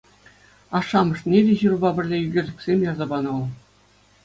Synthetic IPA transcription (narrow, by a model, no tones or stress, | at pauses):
ɑʂːɑmɤ̆ʂnʲedʲeʑurbɑbʲɘ̆rʲlʲejyɡʲĕrʲlʲɘ̆kʲsʲemʲjɑrzɑbɑnɤ̆lˠ